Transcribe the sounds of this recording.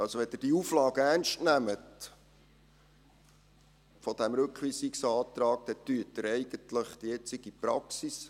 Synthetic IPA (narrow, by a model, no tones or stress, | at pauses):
ɑlsoʋɛd̥̪ɪd̥iuflɑːɡəæɾnʃtnæmət | fɔd̥̪æmɾɵkχʋiːsɪksɑːt̪ɾɑːk̚d̥̪ɛt̪yətːəɾɛɪɡəntləχd̥̪ijɛt͡sɪɡ̥ipɾɑksis